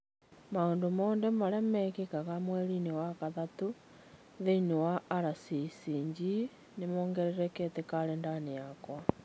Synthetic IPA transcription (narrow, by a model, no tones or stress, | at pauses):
maoːndomoːndɛmaɾɛmɛkekaɣamwɛɾinewakaðatu | ðeinewaːɾasisiːɲd͡ʒi | nemoːŋɡɛɾɛɾɛkɛtekaɾɛndaneakwa